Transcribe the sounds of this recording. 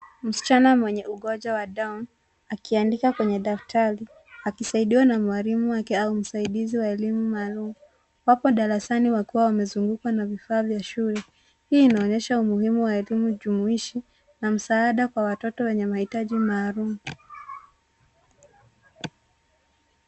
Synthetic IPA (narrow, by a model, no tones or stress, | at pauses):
m̩si̥t͡ʃanamwɛɲɛuɠɔd͡ʒawaɗan | akiandikakwɛɲɛɗaftʰaɾi | akisaiɗiwanamuaɾimuwakɛaum̩saiɗiziwaɛlimumaːlumu | wapɔɗaɾasaniwakuwawamɛzuŋɡukwanavifaːvjaʃulɛ | hiːnaɔɲɛʃaumuhimuwaɛlimuʄumuiʃi | nam̩saːɗakwawatɔtɔwɛɲɛmahitaʄimaːɾumu